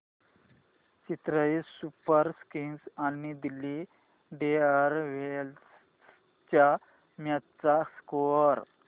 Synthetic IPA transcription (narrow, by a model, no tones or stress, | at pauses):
t͡ɕit̪ɾəisupəɾskinsanid̪ilːi | ɖeaɾʋels | t͡ɕa | mjat̪t͡saskoəɾ